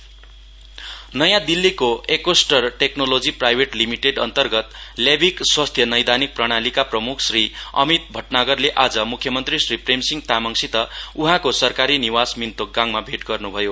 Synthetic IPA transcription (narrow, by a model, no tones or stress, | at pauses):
nʌjãd̪ilːikoʔekosʈʌrʈeknolod͡ziprajbʱeʈlimiʈeɖʌnt̪ʌrɡʌt̪ljabʱikswast̪ʰjʌnʌjd̪anik̚prʌɽ̃alikaprʌmukʰsriʌ̰mit̪̚bʱʌʈnaɡʌrleʔad͡zʌmukʰːjʌmʌnt̪risripremsiŋɡt̪amʌŋsit̪ʌuɦãkosʌrkaɾiniwasmint̪oɡãŋmabʱeʈɡʌrnubʱʌjo